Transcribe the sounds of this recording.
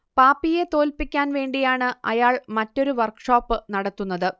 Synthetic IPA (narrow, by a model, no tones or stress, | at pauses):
paːpːije̞t̪o̞ːlpikʲːaːnʋe̞ːɳɖijaːɳɨɐ̰jaːɭmɐtːo̞ɾuʋɐrkʂoːpːɨnɐɽɐt̪ːunːɐðɨ